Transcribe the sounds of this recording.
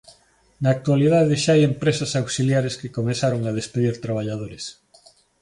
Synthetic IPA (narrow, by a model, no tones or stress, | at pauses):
naːk̚t̪waliðaðeʃaajempɾesasawsiljaɾeskekomeθaɾoŋað̞espeðiɾt̪ɾaβ̞aʎað̞oɾes